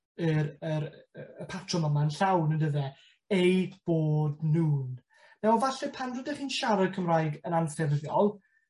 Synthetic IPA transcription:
ɨɾəɾəpʰatʰrɔməmanɬawnəndəðɛ | ejdb̥oːdnuːn | nawɔvaɬɛpʰanrədɛχiːnʃaɾadkʰəmrajɡənansɛrðjɔlˠ

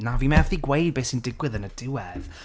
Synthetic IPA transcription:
naviːmɛvðiɡwejd̚beːsɪndɪɡwɪðənədɪwɛð̥

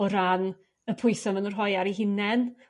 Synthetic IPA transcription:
ɔɾan | əpʰʊɨsɔvənurɦɔjaɾiɦɪnɛn

